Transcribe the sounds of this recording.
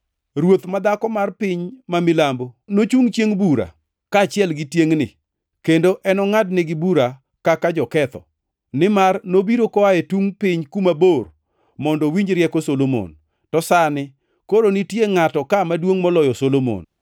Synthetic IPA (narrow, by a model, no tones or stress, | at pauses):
rwot̪mad̪akɔmarpɪɲmamɪlambonot͡ʃuŋt͡ʃjeŋbuɾa̰ | kaːt͡ʃɪɛlɡɪtjeŋnɪ̰ | kendoʔɛnɔŋadnɪɡɪbuɾa | kakad͡ʒɔkɛt̪ɔ̰ | nɪmarnobiɾokɔaɛtuŋpɪɲkumabor | mɔndɔwiɲd͡ʒɾjɛkosolomo̰n | tɔsanɪ | koɾonɪtjeŋatɔkamadwoŋmɔlɔjɔsolomo̰n